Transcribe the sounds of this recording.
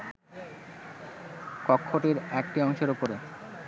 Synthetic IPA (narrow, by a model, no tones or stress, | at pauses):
kɔkʰːoʈiɾɛkʈiɔŋʃeɾupoɾe